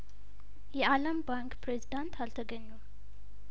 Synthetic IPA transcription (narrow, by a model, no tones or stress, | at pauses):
jɛaləmbaŋkpɾezid̪ant̪ʰalt̪ʰəɡəɲːu